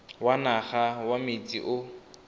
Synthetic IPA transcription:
wanaχawamɪt͡sʼḭʔʊ

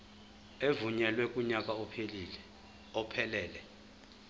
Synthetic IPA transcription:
evuɲɛlwɛkʼuɲakʼaupʰeliːlɛ | ɔpʰɛlɛːlɛ

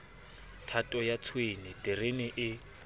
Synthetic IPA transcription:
tʰatʼɔjat͡sʰwenɪtʼɪrenɪʔɪ

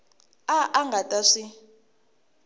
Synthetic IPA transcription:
aʔaŋɡatʼaʂi

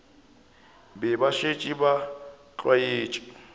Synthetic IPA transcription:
bɛbaʃet͡ʃʼiba | t͡ɬʼwaeːt͡ʃʼi̥

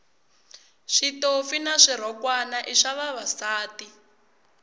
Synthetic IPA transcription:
ʂitofinaʂiɾ̤ɔkwanaʔiʂaβaβasaːti

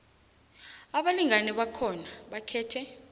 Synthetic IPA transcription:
aɓaliŋanɛɓakʰɔnaɓakʰɛːtʰɛ

